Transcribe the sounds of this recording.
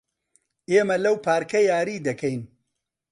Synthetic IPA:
eːmɐlɐwpʰaːɾkɐjaːɾiːd̪ɐkʰɐjn

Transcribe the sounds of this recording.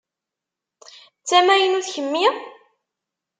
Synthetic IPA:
t͡sːæmæjənuθçəmːi

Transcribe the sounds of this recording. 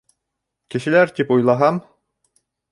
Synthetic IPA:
kɘ̆ʃɘ̆læɾt̪ipujlˠɑɦɑm

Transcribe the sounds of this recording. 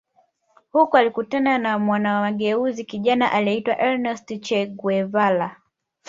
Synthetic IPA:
hukɔalikutananamwanawaɠɛuzikiʄanaʔaliitwa̰ʔɛɾnɛstit͡ʃɛɡwɛvala

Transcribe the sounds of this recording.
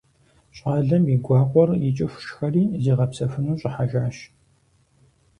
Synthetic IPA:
ɕʼaːɮɐmiɡʷɑːqʷʼɔrjɪt͡ʃʼɪɕʷʃxɐriːziːʁɐpsɐfɨnuːɕʼɪħaʒaːʃ

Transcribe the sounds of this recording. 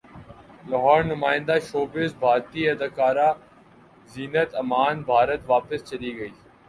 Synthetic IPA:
lɐɦɔːɾnʊmaːɪ̃nd̪aːʃoːbɪzbʱaːɾt̪iɐd̪əkaːɾa | ziːnət̪ɐmaːnbʱaːɾət̪ʋaːpɪst͡ʃɐliːɡɐiː

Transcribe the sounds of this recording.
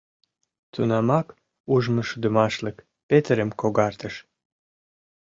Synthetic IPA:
t̪unɑmɑk | uʒmə̆ʃud̪əmɑʃlək | pet̪əɾəmkoɣɑrt̪əʃ

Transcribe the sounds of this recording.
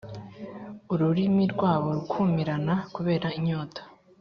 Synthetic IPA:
uɾuɾimiɾɡwaːβo̞ɾukʰumiɾanakuβe̞ːɾaiɲoːtḁ

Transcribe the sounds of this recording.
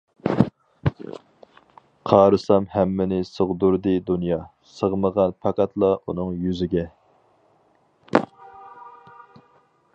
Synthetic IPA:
qʰɑːɾɨsɑmhɛmːɪnɪsəʁd̪uɾd̪ɨd̪unjɑ | səʁməʁɑnpʰɑqɑt̪ʰlˠɑunɨŋjyzɪɡʲɛ

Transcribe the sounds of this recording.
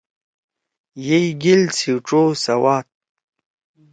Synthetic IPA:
jejɡilt͡sʰiwʈ͡ʂosawaːt̪̚

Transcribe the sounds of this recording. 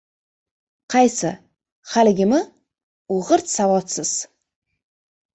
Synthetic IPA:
qʰɑjsɪ | χalɪɡʲɪmɪ | oʁɨɾt̪savɒt̪sɪz̥

